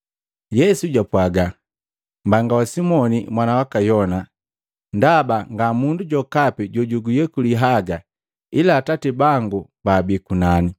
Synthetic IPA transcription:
jɛsuɟwapwaɡa | mbaŋɡawasimɔnḭmwanawakajɔna | ndabaŋɡamunduɟɔkapiɟɔɟuɡujɛkuliɦaɡa | ilaːtatibaŋɡubaːbikunani

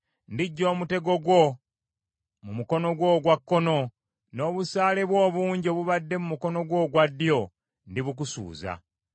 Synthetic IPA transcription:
ndiɟːo̞ːmute̞ɡo̞ɡwo̞ | mumuko̞no̞ɡwo̞ːɡwakːo̞no̞ | no̞ːβusaːle̞βwo̞ːβuːɲɟioβuβadːe̞mumuko̞no̞ɡwo̞ːɡwadːjo̞ | ndiβuk̬usṵːza̰

